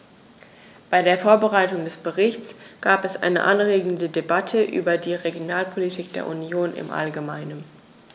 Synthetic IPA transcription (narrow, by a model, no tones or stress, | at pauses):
b̥aɪdeːɐfoːɐbəʁaɪtʊŋdɛsb̥əʁɪçt͡sɡ̥aːpɛsʔa̰ɪnə̰ʔanʁeːɡŋ̩dədebatʰəʔy̰ːbɐdiːʁeɡjonaːlpʰolitʰiːk̚d̥ḛːɐʔunjoːnɪ̰mʔa̰lɡəmaɪnən